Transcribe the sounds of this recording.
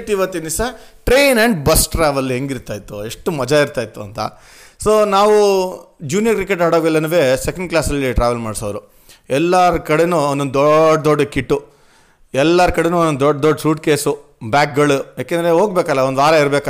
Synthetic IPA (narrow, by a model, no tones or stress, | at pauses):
ʈiiʋɐt̪ːinisɐʈɾe̞jnɐɳɖbɐsʈɾaːʋɐlːɦeŋɡiɾt̪aːjt̪ːue̞ʂʈumɐd͡ʒaiɾt̪aːjt̪ːuɐ̰nt̪ɐ̰ | soːnaːʋud͡ʒuːnjɐkɾikːeʈaːɽoːɡɐilːɐnuʋe̞ːsɛkɐɳɖ̚klaːsɐlːiʈɾaːʋɐlmaːɖsoːʋɐɾu | ɛlːaɾɐkɐɽenuonːonɔɖɐd̪ɔɖːɐkiʈːu | ɛlːɐɾɐkɐɽenuonːond̪ɔɖd̪ɔɖːɐsuːʈkeːsubjaːk̚ɡɐɭujaːkend̪ɾe̞ɦo̞ːɡbeːkɐlːɐond̪aːɾɐiɾbeːkɐ